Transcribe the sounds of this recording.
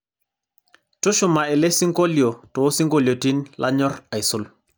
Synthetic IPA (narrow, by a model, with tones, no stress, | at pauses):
to˦ʃu˨ma˨ɛ˨le˦si˦ŋko˦ljo˨to˨o˦si˦ŋɡo˦lo˨ti˦nlʔa̰˦ɲɔ˦ɾa˨jsu˦l